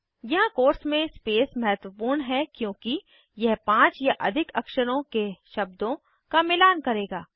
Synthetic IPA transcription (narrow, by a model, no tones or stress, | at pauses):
jɐɦãkoːɾsmẽspeːsmɐɦt̪wəpuːɾɳɦɛkjõːki | jɐɦpãːt͡ʃjaʔɐ̰d̪ʱɪkɐkʃəɾõkeʃɐb̚d̪õ | kamɪlaːnkɐɾeːɡaː